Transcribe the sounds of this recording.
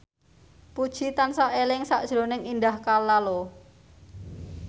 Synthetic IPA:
pud̥ʒ̥it̪ansaʔelɪŋsaʔd̥ʒ̥ɾonɪŋind̪ahkalːalo

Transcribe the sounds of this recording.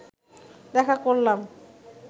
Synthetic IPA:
d̪ɛkʰakoɾlam

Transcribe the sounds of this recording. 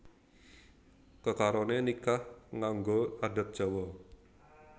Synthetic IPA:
kəkaɾɔnenikahŋaŋɡoada̤t̪̚ʒ̥ɔ̤wɔ

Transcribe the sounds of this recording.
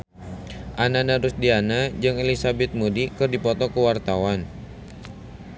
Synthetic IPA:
ʔananaɾʊsdianad͡ʒɨŋelisabɛt̪̚mudikɨrdipɔt̪ɔkəwart̪awan

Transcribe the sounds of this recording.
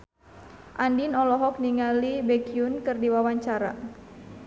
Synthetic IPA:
ʔandinɔlɔɦɔk̚niŋalibekiunkɨrdiwawaɲt͡ʃaɾa̰

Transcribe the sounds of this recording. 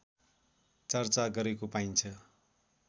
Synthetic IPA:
t͡sʌrt͡saɡʌɾekopajnt͡sʰʌ

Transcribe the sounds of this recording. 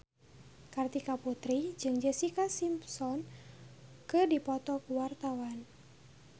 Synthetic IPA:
kart̪ikaput̪ɾid͡ʒɨŋd͡ʒəsikasimpsɔn | kɨdipɔt̪ɔkuwart̪awan

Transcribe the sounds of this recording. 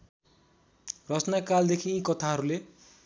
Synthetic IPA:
rʌt͡snakald̪ekʰiĩkʌt̪ʰaɦʌɾule

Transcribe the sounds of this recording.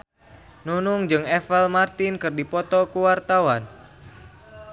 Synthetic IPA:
nunuŋd͡ʒɨŋɛfɛlmart̪ɪnkɨrdipɔt̪ɔkuwart̪awan

